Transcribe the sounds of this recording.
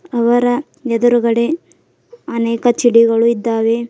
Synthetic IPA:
ɐʋɐɾɐ | ɛd̪ɐɾuɡɐɽe | ɐnɛːkɐt͡ʃiɽiɡɐɭuid̪ːaːʋe

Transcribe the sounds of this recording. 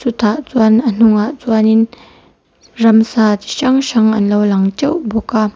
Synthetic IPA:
t͡sut̪ʰaʔt͡suanən̥uŋaʔt͡suanin | rɐmsat̪ʃaŋʃaŋɐnlowlɐŋt͡ʃɛwbɔka

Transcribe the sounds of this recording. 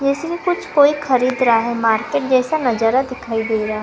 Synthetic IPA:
d͡ʒɛːskikʊt͡ʃʰkoːixʰɐɾiːd̪ɾaaɦɛmaːɾkeːʈ̚d͡ʒɛːsanɐd͡ʒaːɾad̪ɪkʰaːid̪eːɾɦaɦ

